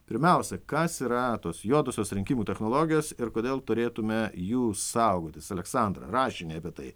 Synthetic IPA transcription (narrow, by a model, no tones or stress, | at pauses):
pʲɪɾʲmʲɛˑʊsʲɛkɐsiːɾɐt̪oːsjoɔd̪osʲoːsɾʲɪŋʲkʲiːmuːt̪ʲɛxnoːlˠoːɡʲɪjoːsɪɾkoːd̪ʲeːlˠt̪ʊɾʲeːt̪ʊmʲɛjuːsɐʊɡoːt̪ʲɪsɐlʲɛksɐˑnd̪ɾɐ̰ɾɑːʃʲɪnʲeɐpʲiɛt̪ɐɪ